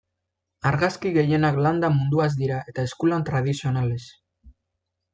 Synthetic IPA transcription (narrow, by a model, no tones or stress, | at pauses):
aɾɣaskiɣe̞je̞nakland̪amund̪uaz̬d̪iɾae̞t̪aeskulant̪ɾað̞isio̞nale̞s